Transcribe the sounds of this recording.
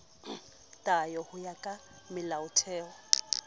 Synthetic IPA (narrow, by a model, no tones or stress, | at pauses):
tʼajɔhʊjakʼa | mɪlaʊtʰɛːɔ